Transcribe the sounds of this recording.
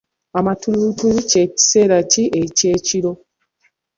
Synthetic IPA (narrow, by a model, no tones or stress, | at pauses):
amatuɾutuɾut͡ʃei̥seɾat͡ʃiʔet͡ʃet͡ʃiɾo